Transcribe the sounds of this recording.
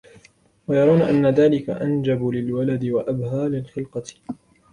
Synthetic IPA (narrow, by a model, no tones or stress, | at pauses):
wajɑɾɑwnaʔanːaðaːlɪka̰ʔand͡ʒabʊlɪlwalad̪ɪwaʔabhaːlɪlxɪlqɑ